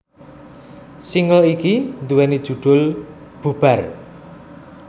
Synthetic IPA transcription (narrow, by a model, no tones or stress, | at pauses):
siŋəlikind̪uwɛnid̥ʒ̥ṳɖ̪̥ʊ̤l | b̥ub̥ar